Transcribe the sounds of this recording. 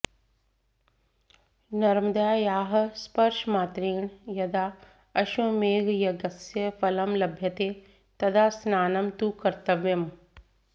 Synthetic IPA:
nɐɾmd̪aːjaːɦ̆spɐɾʃmaːt̪ɾiːɳjɐd̪aː | ɐʃumeːɡjɐɡɐsjɐfɐlɐmlɐbʱjɐt̪eː | t̪ɐd̪ʱaːsnaːnɐmt̪ukɐɾt̪ɐʋjɐm

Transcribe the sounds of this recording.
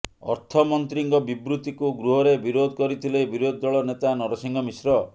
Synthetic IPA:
ɔ̰ɾt̪ʰɔmɔnt̪ɾiŋɡɔbibɾut̪ikuɡɾuɦɔɾebiɾod̪ʱkɔɾit̪ʰilebiɾod̪̚ʱːɔɭɔnet̪anɔɾɔsiŋɡɔmisɾɔ

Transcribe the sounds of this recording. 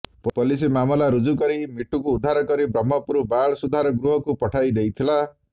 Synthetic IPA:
ppɔlis̬imamɔlaɾud͡ʒukɔɾimiʈukuːd̪ʱaɾɔkɔɾibɾɔmːɔpuɾubaɭɔsud̪ʱaɾɔɡɾuɦɔkupɔʈʰajd̪ejt̪ʰila

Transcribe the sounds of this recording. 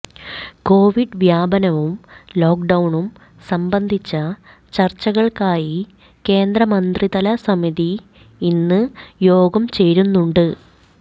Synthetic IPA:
ko̞ːʋiɖʋjaːbɐnɐʋumlo̞ːk̚ɖɐwɳum | sɐmbɐnd̪ʱit͡ɕːɐ | t͡ɕɐrt͡ɕːɐɣɐɭkaːji | ke̞ːnd̪rɐmɐnd̪rid̪ɐlɐsɐmiði | inːɨjo̞ːɡɐmt͡ɕe̞jɾunːuɳɖɨ

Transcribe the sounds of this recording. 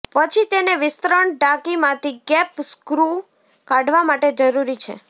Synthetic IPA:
pət͡ʃʰit̪eneʋɪst̪ɾəɳɖakimãt̪ʰiɡɛpskɾu | kaɖʋamaʈed͡ʒəɾuɾit͡ʃʰḛ

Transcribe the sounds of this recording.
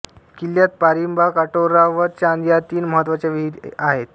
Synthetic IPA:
kilːjat̪̚paɾimbakaʈoɾaʋəɾt͡ɕand̪jat̪iːnməɦət̪ːʋat͡ɕaʋiɦid̪aɦet̪

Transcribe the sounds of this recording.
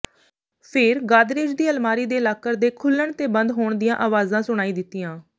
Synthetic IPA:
pʰɪɾɡaːd̪ɾeːd͡ʒd̪iːəlmaːɾiːd̪eːlaːkəɾd̪eːkʰʊlːəɳt̪eːbənd̪ɦoːɳd̪ɪjãːʔaːʋaːzãːsʊɽ̃aːiːd̪ɪt̪ːɪjãː

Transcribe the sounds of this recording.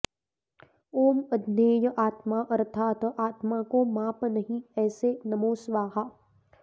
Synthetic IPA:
oːmɐd̪neːjəʔaːt̪maʔɐɾt̪ʰaːt̪aːt̪makomaːpnɐɦĩɛːsenɐmoːsʋaːɦaː

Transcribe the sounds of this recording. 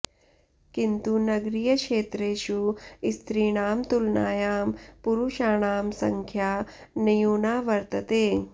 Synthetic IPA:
kint̪unɐɡɾijɐkʃeːt̪ɾeːʃuist̪ɾiːɳaːmt̪ulna̰ːjaːmpuɾuʃaːɳaːmsɐŋkʰjaːnijuːnaːʋɐɾt̪ɐt̪eː

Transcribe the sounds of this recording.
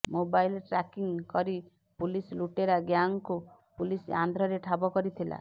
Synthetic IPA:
mobajlʈɾakiŋkɔɾi | pulisluʈeɾaɡjaŋku | pulisand̪ʱɾɔɾeʈʰabɔkɔɾit̪ʰila̰

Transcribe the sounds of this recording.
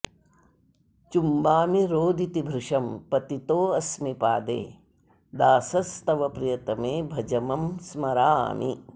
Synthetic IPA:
t͡ʃumbaːmiɾoːd̪ʱit̪ibʱɾɪʂɐmpɐt̪it̪oːɐsmipaːd̪ḛː | d̪aːsɐst̪ɐʋɐpɾijɐt̪ɐmeːbʱɐd͡ʒɐmɐmsmɐɾa̰ːmi

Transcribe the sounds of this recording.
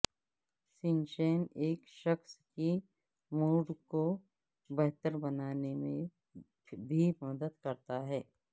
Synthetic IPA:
sɪ̃nʃeːneːkʃəxski | muːɖko | bɛɦt̪əɾbɐnaːnemẽ | bʱimɐd̪əd̪kɐɾt̪aɦɛː

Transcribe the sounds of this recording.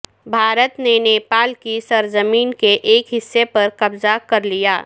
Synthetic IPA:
bʱaːɾət̪neneːpaːlkisɐɾzəmiːnkeʔeːkɦɪsːepɐɾkɐbzakɐɾlijaː

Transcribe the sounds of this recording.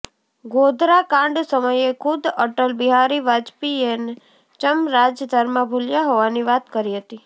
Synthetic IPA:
ɡod̪ʱɾakãɳɖsəməjekʰʊd̪əʈəlbiɦaɾiʋad͡ʒpien | t͡ʃəmɾad͡ʒjəd̪ʱəɾmãbʱuljaɦoʋaniʋat̪kəɾiɦət̪i

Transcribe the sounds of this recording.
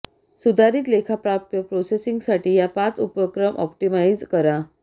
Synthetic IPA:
sud̪ʱaɾiːt̪lekʰapɾat̪jəpɾosesiŋɡsaʈiːjapat͡supəkɾəmʔɔ̰pʈimajd͡zkəɾa

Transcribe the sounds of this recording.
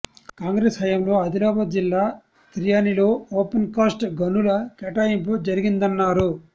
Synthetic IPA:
kaːŋɡɾeːsɦɐjɐmlo̞ːɐd̪ilɔːbɐd͡ʒilːaː | t̪ɾijaːniloːoːpenkaːsʈɡɐnulɐkɛʈaːjimpud͡ʒɐɾiɡind̪ɐnːaːɾu

